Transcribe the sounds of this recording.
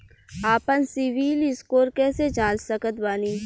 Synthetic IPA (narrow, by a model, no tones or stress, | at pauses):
aːpənsɪʋiːlɪskoːɾkɛːsed͡ʒãːt͡ʃsəkət̪baːniː